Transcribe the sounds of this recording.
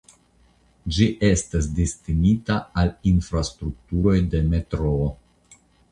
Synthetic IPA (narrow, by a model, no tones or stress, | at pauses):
d͡ʒiʔe̞stas̬distinitaalinfɾastɾuk̚tuɾo̞jde̞me̞tɾoː